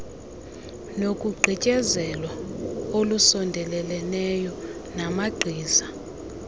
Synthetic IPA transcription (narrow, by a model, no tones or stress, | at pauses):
nokʼuɡ͡ǀʱicʼɛzɛlwaolusɔndʱɛlɛlɛnɛjɔnamaɡ͡ǀʱiːza